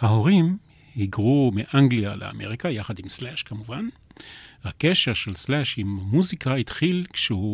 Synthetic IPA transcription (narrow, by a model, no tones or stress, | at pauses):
haho̞ʁim | hiɡʁumeʔaŋɡlialḛa̰me̞̰ʁikajaχadimslɛʃkamuvan | hakeʃeʁʃelslɛʃimamuzikʰait̪χilkʃehu